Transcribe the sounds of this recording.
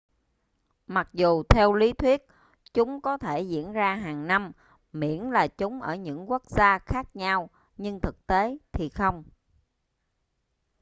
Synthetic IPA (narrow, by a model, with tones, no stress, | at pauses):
ma˨˩k̚zu˨˩t̪ʰɛ˧wli˨˦t̪ʰwi˦˥ət̚ | t͡ɕʊ˨˦ŋ͡mkɔ˨˦t̪ʰe˧˩zḭ˧˥ənzaː˧ɦaː˨˩ŋna˧m | mḭ˧˩˨ənlaː˨˩t͡ɕʊ˨˦ŋ͡mʔəː˧˩ɲɨ̰˧˥ŋku˦˥ək̚z̥aː˧xaː˦˥k̚ɲa˧w | ɲɨ˧ŋt̪ʰɨ˨˩k̚t̪e˨˦t̪ʰi˨˩xə˧wŋ͡m